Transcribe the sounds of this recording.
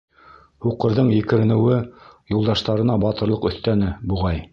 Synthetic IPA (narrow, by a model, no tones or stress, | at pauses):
huqɤ̆ɾðɤɴjɘ̆kɘ̆ɾɘ̆nɘ̆wɘjulˠd̪ɑʃt̪ɑɾɤ̆nɑbɑt̪ɤ̆ɾlˠɤqɵ̆θt̪ænɘbuʁɑj